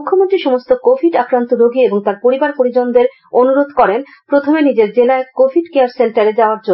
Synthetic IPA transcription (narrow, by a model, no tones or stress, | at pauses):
kʰːomont̪ɾiʃɔmost̪okofʰiʈakɾant̪oɾoɡieboŋt̪aɾpoɾibaɾpoɾid͡ʑond̪eɾ | onuɾod̪ʱkɔɾen | pɾot̪ʰomenid͡ʑeɾd͡ʑelaekofʰiʈkeaɾseɳʈaɾed͡ʑaoaɾd͡ʑon